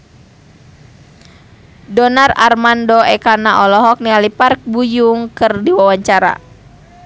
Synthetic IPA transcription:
dɔnara̰rmandɔɛkanaʔɔlɔɦɔk̚nialipark̚bujuŋkɨrdiwawaɲt͡ʃaɾa̰

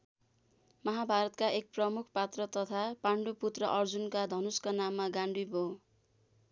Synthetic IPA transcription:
mʌɦabʱaɾʌt̪kaʔek̚prʌmukʰpat̪rʌt̪ʌt̪ʰapaɳɖuput̪rʌʔʌrd͡zunkad̪ʱʌnuskanamːaɡaɳɖibʱo

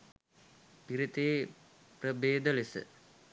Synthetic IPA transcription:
piɾit̪eː | prəbeːd̪əlesə̰

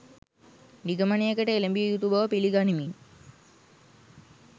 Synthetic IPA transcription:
niɡəmanijekəʈəelembijjut̪ubəʋəpiliɡanimin

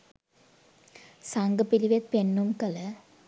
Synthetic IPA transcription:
sɐŋɡɐpːiliʋet̪̚penːumkɐlɐ

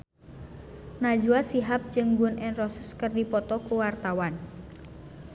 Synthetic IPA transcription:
nad͡ʒuasiɦap̚d͡ʒɨŋɡuʊnʔɛnrɔsəskɨrdipɔt̪ɔkuwart̪awan

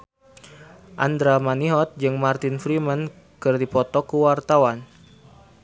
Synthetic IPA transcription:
ʔand̪ɾamaniɦɔt̪̚d͡ʒɨŋmart̪ɪnfɾimən | kɨrdipɔt̪ɔkuwart̪awan

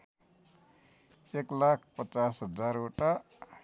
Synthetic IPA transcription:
eklakʰpət͡sasɦʌd͡zaɾoʈa

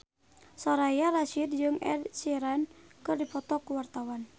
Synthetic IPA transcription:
sɔɾajaɾaʃid̪̚d͡ʒɨŋɛ̰dsiɾankɨrdipɔt̪ɔkuwart̪awan

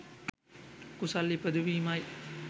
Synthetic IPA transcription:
kusalːipəd̪uʋiːmaj

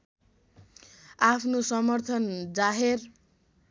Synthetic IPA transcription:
apʰnosʌmʌrt̪ʰʌnd͡zaɦer

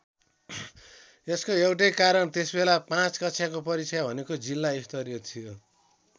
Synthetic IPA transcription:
eskoewʈ̬ʌjkaɾʌnt̪esbelapãt͡skʌtsʰjakopʌɾit͡sʰʌjbʱʌnekod͡zilːaist̪ʌɾjʌt̪ʰijo

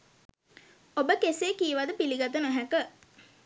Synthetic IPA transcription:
obəkeseːkiːʋad̪əpiliɡat̪ənoɦækə

